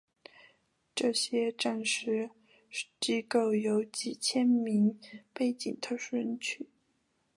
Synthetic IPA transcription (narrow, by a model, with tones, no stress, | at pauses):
ʈ͡ʂɤ˥˩ɕjɛ˥ʈ͡ʂa˥˩nʂɻ̩˥ | t͡ɕi˥ko˥˩ʊjo˧˥ʊt͡ɕi˨˩t͡ɕʰjɛ˥nmi˧˥ŋpe˥˩ɪt͡ɕi˨˩ŋt̪ʰɤ˥˧ʊʂu˥˩ɻə˧˥nt͡ɕʰy˥˩˦